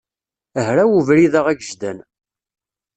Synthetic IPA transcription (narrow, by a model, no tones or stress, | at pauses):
əɦɾæwuvɾiðəʁæɡəʒd̪æn